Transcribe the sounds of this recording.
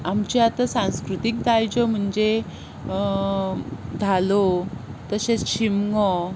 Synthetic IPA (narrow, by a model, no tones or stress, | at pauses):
amt͡ɕeat̪asãñskɾut̪ik̚d̪ajd͡ʑɔm̤əɳd͡ʑe | d͡zʱalot̪əɕet͡sɕimŋɔ